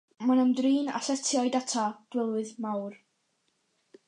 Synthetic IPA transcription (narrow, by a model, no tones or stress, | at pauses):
manəndriːna̰sɛtʰjɔjdatʰad̥wɪlˠwɨðmawr